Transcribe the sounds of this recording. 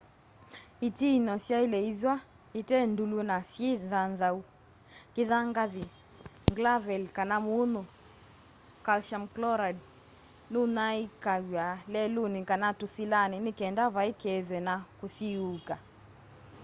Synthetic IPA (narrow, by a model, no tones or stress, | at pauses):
itiinɔsjailɛiðwa | itɛndulunasjiðanðau | kiðaŋɡaði | ŋɡlavɛlkanamunu | kalʃamklɔɾad | nunaikaɣwalɛlunikanatusilaninikɛndaβaikɛðwɛnakusiuka